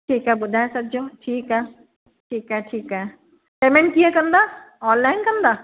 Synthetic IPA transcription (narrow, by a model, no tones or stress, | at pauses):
ʈʰiːkɦɛbʊd̪ʱaːesɐbd͡ʒoːʈʰiːkɦɛː | ʈʰiːkɦɛʈʰiːkɦɛː | ʈeːmẽɳʈ̚kiakɐ̃nd̪aːɔːnlːaːɪnkɐ̃nd̪aː